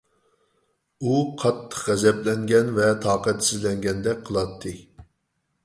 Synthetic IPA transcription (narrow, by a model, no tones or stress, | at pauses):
uqʰɑt̪ʰːə̥χʁɛzɛplɛŋɡʲɛnvɛt̪ʰɑːqɛt̪ʰsɪzlɛŋɡʲɛnd̪ɛk̚ʲqʰəlˠɑt̪ʰːɨ